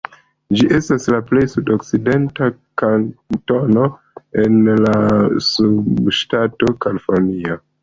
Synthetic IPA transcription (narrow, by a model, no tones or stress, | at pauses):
d͡ʒiʔe̞staslaple̞jsudokside̞ntakanto̞no̞ | e̞nlasubʃtato̞kalifoɾnia